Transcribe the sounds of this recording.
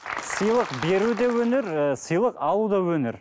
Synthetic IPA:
səjlˠəqbe̞ɾud̪ewɵneɾsəjlˠəqɑlˠud̪ɑwɵneɾ

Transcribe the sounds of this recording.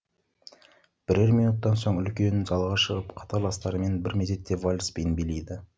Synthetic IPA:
b̥ɪɾeɾmijnut̪ːɑnso̞ɴʏlkʲe̞nɪʒɑlˠʁɑʃəʁəpqʰɑ̥t̪ʰɑɾlˠɑst̪ɑɾəme̞nbɪɾmeze̞t̪ːe̞volʲspijnbele̞jd̪ɪ

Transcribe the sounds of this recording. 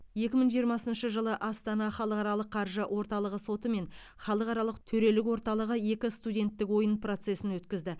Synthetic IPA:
je̞kʲɪməɴʒijəɾmɑsənʃəʒəlˠəʔɑst̪ɑnɑχɑlˠəqɑɾɑlˠəqʰːɑɾʒəwo̞ɾt̪ɑlˠəʁəso̞t̪əme̞n | χɑlˠəqɑɾɑlˠəqt̪ʰɵɾe̞lɪk̬wo̞ɾt̪ɑlˠəʁəje̞kʲɪst̪udʲe̞nt̪ːɪkwo̞jənpʰro̞t̪se̞sɪnwɵt̪kʲɪzd̪ɪ

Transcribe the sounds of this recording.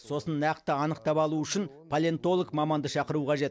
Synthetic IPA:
so̞sənːæqt̪əɑnəqt̪ɑpɑlˠuʏʃɪnpʰɐlʲent̪o̞lˠəkmɑmɑnd̪əʃɑqəɾuqʰɑʒe̞t̪

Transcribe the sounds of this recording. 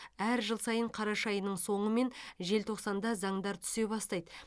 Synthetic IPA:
æɾʒəlˠsɑjəɴqʰɑɾɑʃɑjənəɴso̞ɴəme̞nʒe̞lt̪ʰo̞qsɑnd̪ɑzɑɴd̪ɑɾt̪ʰʏ̥se̞bɑst̪ɑjd̪ə

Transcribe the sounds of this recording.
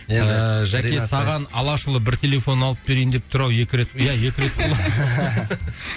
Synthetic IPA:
eɪʒæke̞sɑʁɑnɑlˠɑʃəlˠəbɪɾt̪ʲʰe̞lʲe̞fo̞nɑlˠəp̚be̞ɾejnd̪e̞p̚t̪ʰʊɾɑwje̞kʲɪɾet̪jæje̞kʲɪɾe̞t̪bolˠɑd̪

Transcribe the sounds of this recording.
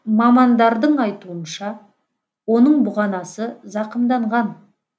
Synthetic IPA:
mɑmɑnd̪ɑɾd̪əɴɑjt̪uənʃɑ | wo̞nəɴbʊʁɑnɑsəzɑqənd̪ɑɴʁɑn

